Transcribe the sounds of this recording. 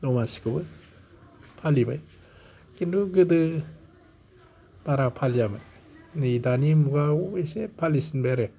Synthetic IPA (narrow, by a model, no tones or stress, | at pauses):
lɔmasi̥kɯbɯ | pʰalibaj | kinduɡɯdɯ | b̥aɾapʰalijaba̰j | nijdanimuɡauesepʰalisinbaaɾe